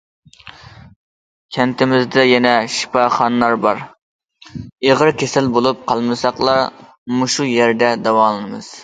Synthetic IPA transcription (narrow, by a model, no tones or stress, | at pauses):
kʲʰɛnt̪ɪmɪzd̪ɛjɛnɛʃi̥pɑχɑnːɑɾbɑɾ | eʁəɾkʲʰesɪlbolˠup̚qʰɑlˠmɨsɑqlˠɑɾ | muʃujɛɾd̪ɛd̪ɛwɑlˠɨnɨmɨz̥